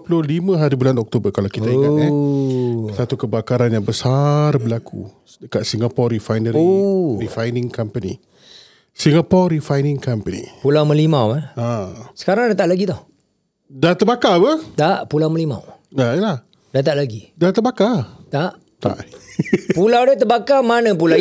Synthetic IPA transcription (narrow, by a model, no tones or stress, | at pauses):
pəlʊlimə̃ɦaɾibulanɔk̚t̪obərkalawkit̪aiŋa | sat̪ukəbakaɾanjaŋbəsarbəlakʰṵ | dəkat̪̚siŋɡapɔrifajnəɾrifajnĩŋkampənḭ | siŋapɔɾifajnɪŋkampənḭpulawmə̃limawaasə̥kaɾaŋdat̪aʔlaɡit̪ah | dat̪əbakabət̪aʔpulawməlima̰wnaəlah | dat̪aʔlaɡidat̪əbakat̪aʔ | t̪a̰ʔ | pulawdat̪əbakamanə̃p̬ula